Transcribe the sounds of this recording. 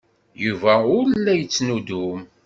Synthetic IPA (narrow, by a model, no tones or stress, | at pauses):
juvæʊɾlːæjət͡sːnud̪um